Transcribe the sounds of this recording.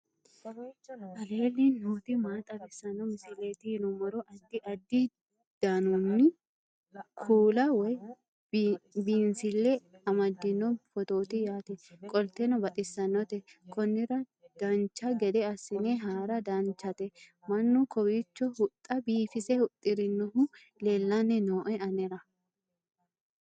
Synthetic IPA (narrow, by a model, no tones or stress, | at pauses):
ʔɐle̞ːlːinuːt̪ɪmaːt̪ʼɐbɪsːɐnːɔmɪsɪleːt̪ɪhɪnʊmɔɾɔʔɐd̪ːɪʔɐd̪ːɪ | d̪̥anʊnːɪ | kʰuːlɐwɔj | biːnsɪlːɛɐmɐd̪ːɪnːɔfɔt̪o̞ːt̪ɪjaːt̪ɛkʼɔlt̪ɛnɔbɐt̪ʼɪsːɐnːɔt̪ɛkʰɔnːɪɾɐ | d̪̥ɐnt͡ʃːɐɡɛd̪ɛɐsːɪnɛɦaːɾɐd̪ɐnt͡ʃːɐt̪ɛ | mɐnːʊkɔwɪt͡ʃːɔhʊt̪ʼːɐbiːfɪsɛhʊt̪ʼːɪɾɪnːɔɦʊ | lelːɐnɛnoːʔɔjɐnɛɾɐ